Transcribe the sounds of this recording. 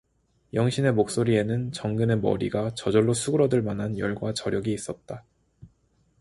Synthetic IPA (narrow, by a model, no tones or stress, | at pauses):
jʌŋɕʰine̞mok̚s͈oɾie̞nɯnt͡ɕʌŋɡɯne̞mʌ̰ɾiɡat͡ɕʌd͡ʑʌɭːosʰuɡɯɾʌdɯɭmanɦanjʌ̰ɭɡwat͡ɕʌɾjʌɡiːs͈ʌt̚t͈a